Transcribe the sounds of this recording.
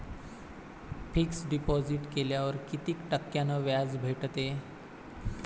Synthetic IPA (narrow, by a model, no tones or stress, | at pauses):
pʰiksɖipɔd͡ziʈkeljaʋəɾkit̪iːkʈəkːjanəʋjad͡zbʱeʈt̪e